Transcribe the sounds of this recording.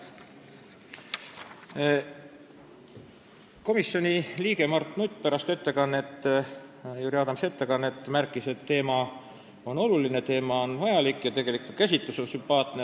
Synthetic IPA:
ko̞misjo̞nʲiliːɡe̞mɑrt̪ˑnut̪ʲːˑpæɾɑst̪e̞t̪ːe̞kɑnːe̞t̪ː | juːɾiɑːd̪ɑmse̞t̪ːe̞kɑnːe̞t̪ːˑmærkːˑise̞t̪ːe̞ːmɑ | o̞no̞luline̞t̪e̞ːmɑonvɑjɑlikːˑjɑt̪e̞ɡ̥e̞likut̪kæsʲit̪luso̞nsympɑːt̪ne

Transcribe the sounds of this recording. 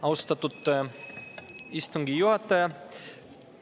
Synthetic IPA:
ɑwst̪ɑt̪ːut̪ː | ist̪uŋɡijuɐt̪ːɛ

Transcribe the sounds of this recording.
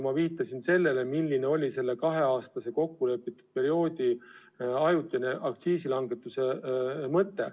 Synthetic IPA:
mɑviːt̪ˑːɑsinse̞lːe̞le̞milːine̞o̞lʲise̞lːe̞kɑɦe̞ɑːst̪ɑse̞ko̞kːule̞pːˑit̪ːˑu̥d̪̥̚pe̞ɾio̞ːd̪̥ʲi | ɑjut̪ʲːˑjɑneʔɑk̚t̪siːsilɑŋɡe̞t̪ːˑuse̞mɤt̪ːˑe̞

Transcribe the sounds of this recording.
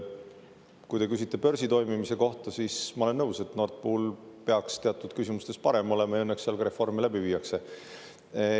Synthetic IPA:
kujt̪e̞kys̬it̪ːˑe̞pø̞ɾsit̪o̞jmimise̞ko̞ht̪ɑsismɑole̞nːɤwse̞t̪no̞rt̪̚puulpe̞ɑkst̪e̞ɑt̪ːˑud̪̥kysimust̪e̞spɑɾe̞mo̞le̞mɑjɤnːeksːeɑlkɑɾe̞fo̞rmilæb̥iviːɑkse̞

